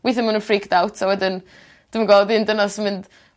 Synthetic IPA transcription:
wiθɪnmənənfriːkd̥awtʰawɛdɪn | d̥ɪmənɡɔlˠdɪndənasmɪnd̥

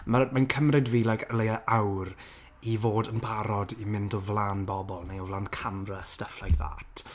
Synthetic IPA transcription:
maɾəd̚mankʰəmrɨdviːlˠajkʰəlejəʔawr | ivoːdənbʰaɾɔdimɪndɔvlˠaːnbɔbɔlˠnejɔvlaːnkʰamrəstəflajða̰ːtʰ

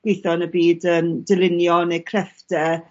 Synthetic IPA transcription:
ɡ̥wɪjθɔnəbiːdəːmdɪlɪnjɔnekʰrɛfdtɛ

